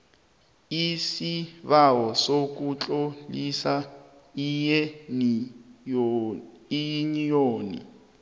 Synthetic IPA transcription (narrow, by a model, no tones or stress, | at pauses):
isiβawɔsok̬ʼut͡ɬʼolisa | ijɛn | iɲijoːnḭ